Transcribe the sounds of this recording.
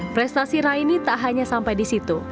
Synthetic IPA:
pɾɛst̪asiɾainit̪aʔɦaɲasampajdisit̪u

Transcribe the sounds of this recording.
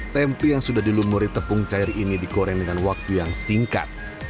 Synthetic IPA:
t̪ɛmpijaŋsudahdilumuɾit̪əpʊŋt͡ʃaɪrinidikoɾɛŋdəŋanwak̚t̪ujaŋsiŋka̰t̪̚

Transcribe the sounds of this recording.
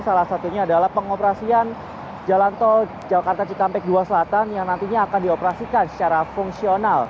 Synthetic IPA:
salahsat̪uɲaːdalahpəŋopəɾasian | d͡ʒalant̪ɔ | d͡ʒakart̪at͡ʃikampɛk̚duasəlat̪anjaŋnant̪iɲaːkandiopəɾasikansə̥t͡ʃaɾafuŋksional

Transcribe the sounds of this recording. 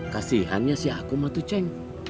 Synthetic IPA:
kasiɦanɲasiakumat̪ut͡ʃɛŋ

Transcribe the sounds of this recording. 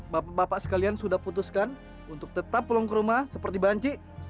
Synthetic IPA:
baabapaʔsə̥kaliansudahput̪uskan | unt̪ʊk̚t̪ət̪apːəlɔŋkəɾumahsəpərt̪ibaɲt͡ʃi

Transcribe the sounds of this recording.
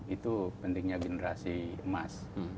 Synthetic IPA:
it̪upənt̪ɪŋɲaɡenəɾasiəmas

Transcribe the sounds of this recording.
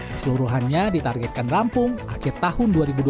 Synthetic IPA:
səluɾuɦanɲadit̪arɡɛt̪̚kanrampʊŋʔakɪrt̪ahʊnduaɾibudu

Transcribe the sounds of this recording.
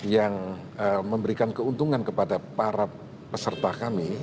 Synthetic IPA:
jaŋəməmbəɾikankəunt̪uŋankəpadapaɾa | pəsərt̪akami

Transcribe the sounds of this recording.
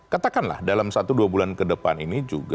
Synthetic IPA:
kat̪akanla̰hdalamsat̪uduabulankədəpa̰ninid͡ʒṵɡ

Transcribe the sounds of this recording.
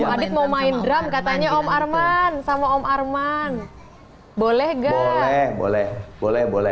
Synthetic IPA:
adɪt̪̚maumaɪndɾamkat̪aɲaɔmarmansamaɔmarman | bolɛhɡalɛhbo̰lɛhbolɛhbolɛ

